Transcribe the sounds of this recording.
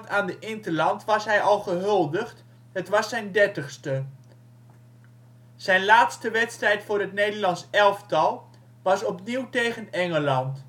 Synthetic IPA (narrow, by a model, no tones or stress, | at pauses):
taːndəʔɪntəlɑntʋɑsɦɛjɑlˠχəɦɵlˠdəχt | ɦətʋɑsɛjndɛɹtəχstə | z̥ɛjnlaːtstəʋɛtstrɛjtfʊːɾɦətnejdəɹlɑnsɛlˠftɑlˠ | ʋɑsɔpniwtejχənɛŋəlɑnt